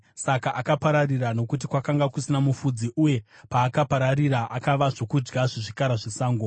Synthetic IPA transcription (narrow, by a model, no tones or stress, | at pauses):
sakaʔakapaɾarirano̞kut̬ikwakaŋɡakusinamufud͡ziʔuje̞paːkapaɾariraʔakaʋaʐo̞kud͡ʒɡaʐiʐikaɾaʐisaːŋɡo